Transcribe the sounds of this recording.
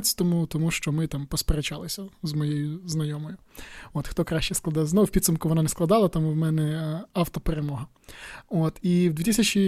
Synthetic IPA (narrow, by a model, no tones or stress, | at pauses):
t͡sʲt̪ɔmut̪ɔmuʃt͡ʃɔmɪt̪ɑmpɔspeɾet͡ʃɑlˠɪsʲɐzmɔjejʊznɐjɔmɔjʊ | oːt̪xt̪ɔkɾɑʃt͡ʃɛsklˠɐd̪ɑjznɔʋʊwʲpʲid̪sɐmkʊʋɔnɑnɛsklˠɐd̪ɑlˠɐt̪ɐmuwmɛnɛɑwt̪ɔpeɾemɔɦɐ | ot̪iwd̪ʲʋʲit̪isʲɐt͡ʃʲi